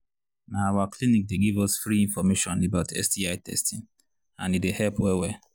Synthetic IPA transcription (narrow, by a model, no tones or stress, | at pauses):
naawaklinik̚deɡivɔsfɾiĩɱfɔmeʃɔ̃nebaʊtʰɛ̰stiaɪtɛ̰stĩn | ã̰nidehɛpwɛwɛ